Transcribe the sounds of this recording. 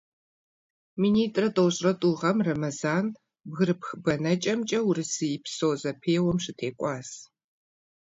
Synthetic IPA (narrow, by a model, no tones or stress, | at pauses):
miːniːtʼrɐtʼoːɕʼrɐtʼuːʁɐmrɐmɐzaːn | bɣɨɾɨpxɨbɐnɐt͡ʃʼɐmt͡ʃʼɐwrɨsɨjɪpsoːzɐpʰeːwɔmʃɪtʰeːkʷʼɑːs